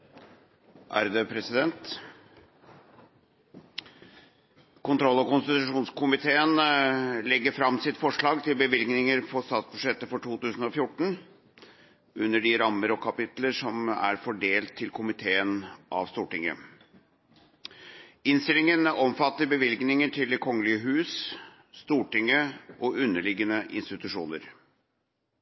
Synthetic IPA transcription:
ʔæ̰ɾd̪əpʰɾɛsɪd̪ɛnt̪ | kʊnt̪ʰɾɔlːɔkʊnst̪ɪt̪ʉʉʂuːnskʰʊmɪt̪ʰeːənlɛɡːəɾfɾɑmːsɪt̪fɔʂɭɑːɡt̪ʰɪlbəʋɪlɡnɪŋəɾpʰɔst̪ɑːt̪sbʉʂɛt̪ːəfɔʈʰuːt̪ʉːsən̩ɔfjʊʈːɳ̩ | ʉnːəɖɪɾɑmːəɾɔkʰɑpɪt̪ləʂɔmæ̰ɾfɔɖeːlt̪ʰːɪlkʰʊmɪt̪ʰeːənʔɑ̰ʋst̪uːʈɪŋːə̰ | ɪnst̪ɪlɪŋənɔmfɑt̪ːəɾbəʋɪlɡnɪŋəʈʰɪld̪ɛkʰɔŋːəlɪəɦʉːs | st̪uːʈɪŋəʔɔʉnːəɭɪɡːənəʔɪ̰nst̪ɪt̪ʉʂṵːnəɾ

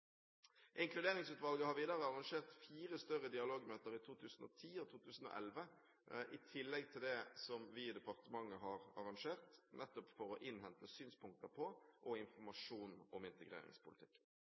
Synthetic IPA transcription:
ʔɪŋkʰlʉd̪eːʁɪŋsʉːt̪ʋɑlɡəhɑɾʋiːd̪ɑʁəɑʁɑŋʂeːʁt̪fiːʁəst̪œʁəd̪ɪɑloːɡmøːt̪əɾɪt̪ʰuːt̪ʰʉːsn̩ɔ̰ːt̪ʰiːɔt̪ʰuːt̪ʰʉːsn̩o̰ːʔɛlʋə | ʔɪt̪ʰɪlːɛɡ̚t̪ʰɪld̪ɛsɔmʋɪd̪ɛpɑʁt̪əmɑŋːəɦɑʁɑʁɑŋʂeːʁt̪nʔɛt̪ːɔpfɔɾɔʔɪnɦɛnt̪əsyːnspʰʊŋk̚t̪əpʰɔʔɔɪnfɔmɑʂuːnɔmɪnt̪əɡʁḛːɾɪ̰ŋspʊlɪt̪ɪ̥kː

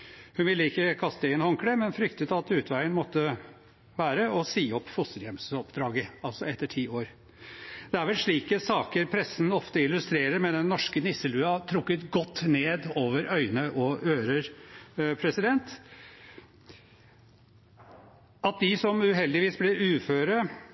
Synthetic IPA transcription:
hʉnʋɪlːəɪkːəkʰɑst̪əɛːnhɔŋkɽɛmɛnfɾʏkt̪ət̪ɑt̪ʉːt̪ʰʋæɪənmɔt̪ːə | ʋæːɾəɔsiːɔpːfʊst̪əljɛmsɔpd̪ɾɑːɡəɑlsɔɛt̪ːəʈʰiːoːɾ | d̪̥ɛæɾʋɛlʂɭiːkəsɑːkəɾpʰɾɛsːn̩ɔft̪əɪlːʉst̪ɾeːɾəɾmɛnd̪ɛnːɔʂkənɪsəlʉːɑt̪ʰɾʊkːət̪ɡɔt̪ːneːd̪oːʋəɾʔœʏnəʔɔøːɾəɾpʰɾɛsɪd̪ɛnt̪ | ɑt̪̚d̪ɪsɔmʉːɦɛld̪ɪʋiːsblɛʔʉːføːɾə

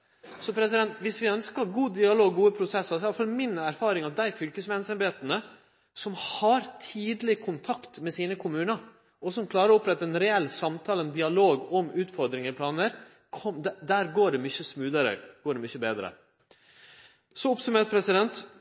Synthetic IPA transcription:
sɔpʰɾɛs̬ɪd̪ɛnt̪ʋɪsʋɪœnskəɾɡuːd̪ɪɑloːɡːuːəpʰɾʊsɛsɑɾsɑfɔɾmɪnːəæɾfɑːɾɪŋɑd̪æɪfʏlkəsmɛnsɛnbeːt̪ənə | sɔmhɑɾt̪ʰiːd̪lɪkʰʊnt̪ʰɑkt̪mɛsiːnəkʰʊmʉːnəɾ | ɔsɔmkʰlɑːɾəɾɔʊpɾɛt̪ːəɛnɾɛɛlːsɑmt̪ʰɑːlənd̪ɪɑloːɡɔmʉːt̪fɔɾd̪ɾɪŋəɾpʰlɑːnəɾ | kʰɔmd̪d̪æːɾɡoːɖɛmʏçəsmʉːd̪əɾə̰ɡ̥oːɖɛmʏçəbḛːd̪ɾə̰ | sɔɔpsʉmeːɾ̚pʰɾɛsɪd̪ɛnt̪

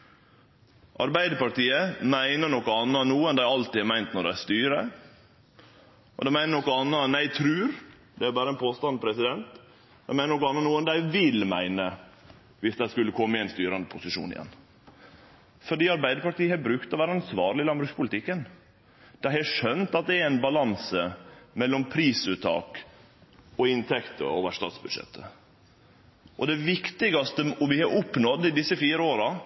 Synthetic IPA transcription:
ʔɑ̰ɾbæɪd̪əpɑʈiːəmæɪnəɳɔkːɔɑnːɑnuːənd̪æɪɑlt̪iːd̪æmæɪnt̪nɔɖææst̪yːɾə | ʔɔ̰d̪ɛmæɪnəɾɳɔkːɔɑnːɑnæɪt̪ʰɾʉːɾ | d̪ɛæɾbɑːɾəɛnpʰoːst̪ɑnpʰɾɛsɪd̪ɛnt̪ | ɛnmæɪnəɳnɔkːɔɑnːɑnuːənd̪æɪʋɪlmæ̰ɪnə | ʋɪsd̪æɪskʉlːəkʰɔmːəɛɪnst̪yːɾɑnd̪əpʰʊsɪʃṵːnɪ̰jɛ̰nː | fɔɖiːɑɾbæɪd̪əɾpɑʈiːəhɑbɾʉkt̪ɔʋæːɾɑnsʋɑːɾɭɪlɑnmbɾʉːspʰʊlɪt̪ɪkːən | d̪̥æhɛʂœnt̪ɑt̪̚d̪ɛɛæɪnbɑlɑnsəmɛlːɔmpʰɾiːsʉːt̪ʰːɑ̰ːk | ɔɪnt̪ʰɛkt̪ə̰oːʋəʂt̪ɑ̰ːt̪sbʉd̪ʂɛ̰t̪ʰːə | ʔɔd̪ɛʋɪkt̪ɪɡɑst̪əɔmʋɪhɑʔʊpnɔd̪ːɪd̪ɪsːəfiːɾəoːɾɑ

